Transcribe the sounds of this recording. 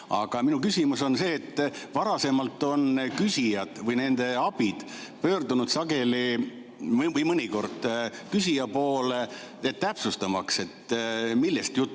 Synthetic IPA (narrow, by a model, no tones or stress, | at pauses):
ɑ̰ɡ̥ɑminukysʲimuso̞nse̞ːt̪ːˑvɑɾɑse̞mɑlt̪ːˑo̞nkysʲijɑd̪̥vɯjne̞nd̪̥e̞ɑb̥id̪̥pø̞ːrd̪unud̪sɑɡe̞li | vɯjmɤnʲiko̞rd̪̥kys̬ʲijɑpo̞ːle | et̪ːt̪æpsust̪ɑmɑkse̞t̪milːest̪jut̪ːˑ